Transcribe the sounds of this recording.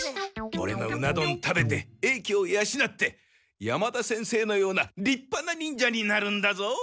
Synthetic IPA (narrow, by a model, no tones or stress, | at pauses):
o̞̰ɾe̞̰no̞̰ɯ̟nad̪õ̞nt̪ʰabe̞t̪e̞e̞ːkʲiojaɕinat̪ːe̞ | jamad̪asẽ̞ɰ̃se̞ːno̞jo̞ːnaɾʲipːanaɲ̟ʲĩɲd͡ʑaɲ̟inaɾɯ̟̃nd̪azo̞